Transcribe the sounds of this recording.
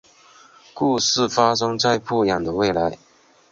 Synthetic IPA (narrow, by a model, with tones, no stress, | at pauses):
ku˥˧ʂɻ̩˥˩fa˥ʂ̬ɤ˥ŋt͡sa˥˧ɪpʰu˥˩jɑ˨˩ŋd̪ə˦we˥˩ɪla˧˥ɪ